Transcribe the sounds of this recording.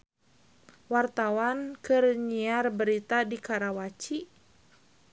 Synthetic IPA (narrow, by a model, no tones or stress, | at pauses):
wart̪awankərɲiarbəɾit̪adikaɾawat͡ʃi